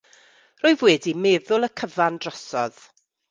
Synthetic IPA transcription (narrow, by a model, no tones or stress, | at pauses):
roːjðwɛːdimɛːðʊlˠəkʰəvandrɔsɔ̰ð̥